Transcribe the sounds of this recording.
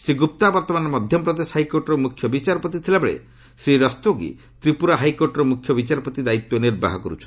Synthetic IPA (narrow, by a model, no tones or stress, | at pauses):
siɡup̚t̪abɔɾt̪ɔmanɔmɔd̪ʱjɔpɾɔd̪eshajkoɾʈɔɾɔmukʰːjɔbit͡ʃaɾɔpɔt̪it̪ʰilabeɭḛ | sɾiɾɔst̪oɡḭ | t̪ɾipuɾaɦajkoɾʈɔɾɔmukʰːjɔbit͡ʃaɾɔpɔt̪id̪ait̪ːjɔniɾba̰ɦɔkɔɾṵt͡ʃʰɔ̥n